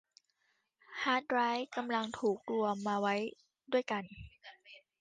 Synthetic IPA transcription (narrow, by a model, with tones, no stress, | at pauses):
haː˦˥t̪̚ɾaː˦˥jka˧mla˧ŋt̪ʰuː˨˩k̚lu˧əmːaː˧wa˦˥j | du˥˩əjka˧n